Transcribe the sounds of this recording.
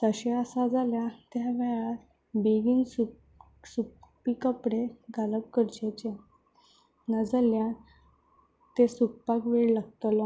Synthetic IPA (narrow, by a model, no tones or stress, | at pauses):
t̪əɕeəsad͡zaljat̪jaʋɛɭat̪ | biɡiŋɡsu | supikəpɽeɡaləp̚kəɾt͡ɕet͡ɕe | nad͡zalja | t̪esuk̚pakʋeɭlaɡ̚t̪lɔ